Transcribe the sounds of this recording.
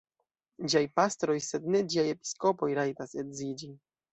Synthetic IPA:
d͡ʑajpast̪ɾɔjsɛd̪nɛd͡ʑiajɛpʲi̥skɔpɔjɾajt̪asɛd̪zid͡ʑi

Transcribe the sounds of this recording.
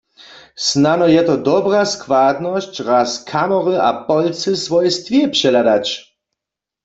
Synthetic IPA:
snanɔjɛt̪ɔd̪ɔbraskwad̪nɔɕt͡ɕʁaskʰamɔʁɪʔa̰pɔlt͡sɨsvɔjɛst̪vjɛpʂɛlad̪at͡ɕ

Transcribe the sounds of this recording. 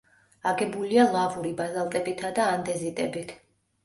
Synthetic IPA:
aɡɛbulialˠavuɾibazalˠt̪ʼɛbit̪ʰad̪aːnd̪ɛzit̪ʼɛbit̪ʰ

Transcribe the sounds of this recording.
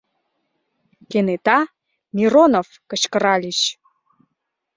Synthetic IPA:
kenet̪ɑ | mʲiɾonofkə̆t͡ɕkəɾɑlʲiɕ

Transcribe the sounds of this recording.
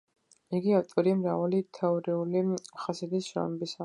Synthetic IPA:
iɡiaft̪ʼɔɾimɾavalit̪ʰɛɔɾiuliχasɛd̪isʃɾɔ̰mɛbisa

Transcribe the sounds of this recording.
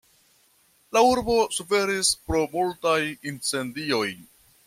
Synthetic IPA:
lauɾbo̞sufe̞ɾispɾo̞multajint͡se̞ndio̞j

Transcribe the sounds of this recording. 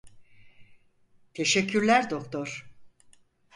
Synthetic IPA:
t̪ʰe̞ʃɛcʰːyɾlʲæɾd̪o̞kt̪ʰoɾ̥

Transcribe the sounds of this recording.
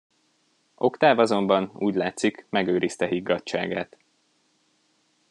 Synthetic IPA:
ʔo̞kt̪aːvɒzo̞mbɒnṵːɟlaːt̪sikmɛɡøːɾist̪ɛɦiɡːɒt͡ʃːa̰ːɡaːt̪

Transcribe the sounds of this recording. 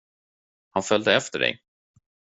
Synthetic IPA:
hanfœld̪əɛft̪əɖɛ̰j

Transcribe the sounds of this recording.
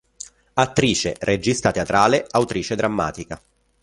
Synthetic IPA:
at̪ːɾiːt͡ʃḛrʔed͡ʒist̪at̪eat̪ɾaːleawt̪ɾiːt͡ʃed̪ɾamːa̰ːt̪ika

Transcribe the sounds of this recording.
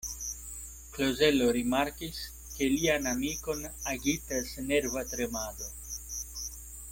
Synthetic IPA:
klozeloɾimaɾkis | kelianamikonaɡit̪asneɾvat̪ɾemaðo

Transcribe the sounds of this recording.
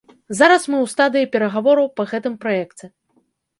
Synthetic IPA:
zaɾɐsmɨwst̪ad̪ɨjipʲɛɾɐɣavɔɾɐwpɐɣɛt̪ɨmpɾajɛkt͡sʲɛ

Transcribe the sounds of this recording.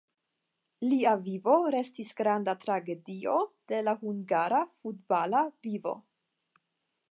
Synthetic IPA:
liavivo̞ɾe̞stisɡɾandatɾaɡe̞dio̞d̥e̞lahuŋɡaɾafutbalavivo̞̰

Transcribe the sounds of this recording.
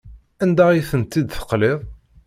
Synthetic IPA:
ænd̪aiθənt̪ːid̪θə̥qlɪðˤ

